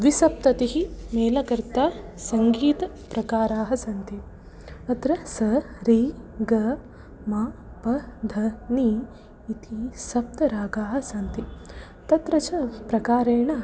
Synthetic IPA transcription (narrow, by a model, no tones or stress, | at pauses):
ʋisɐp̚t̪ɐt̪iɦimeːlɐkɐɾt̪aːsɐŋɡiːt̪ɐ | pɾɐkaːɾaːɦɐsɐnt̪i | ɐt̪ɾɐsɐɾiːɡɐ | maː | pɐd̪ʱɐniː | t̪ʰisɐp̚t̪ɐɾaːɡaːɦɐsɐnt̪i | t̪ɐt̪ɾɐt͡ʃɐpɾɐkaːɾeːɳɐ